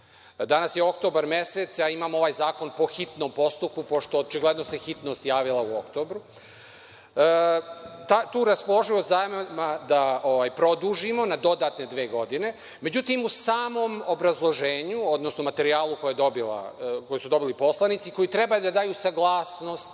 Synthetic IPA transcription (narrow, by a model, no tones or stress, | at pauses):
d̪anasjeo̞kt̪o̞baɾme̞set̪sjaimaːmo̞ʋajzaːko̞npo̞xit̪no̞mpo̞st̪up̚kupo̞ʃt̪o̞ːt͡ʃiɡle̞d̪nose̞xit̪no̞st̪jaːʋilˠauo̞kt̪o̞ːbɾu | t̪at̪uːɾaspolˠo̞ʒiozajmemad̪aoʋajpɾo̞d̪uːʒimo̞nad̪o̞d̪at̪ne̞d̪ʋe̞ːɡo̞d̪ine̞ | me̞d͡ʑut̪imusaːmo̞mobɾazlˠo̞ʒeːɲuod̪nosnomat̪e̞ɾiaːlˠuko̞jad̪obila̰kojisud̪o̞bilipo̞slˠanit̪siko̞jit̪ɾe̞bajd̪ad̪aːjusaɡlˠaːsno̞st̪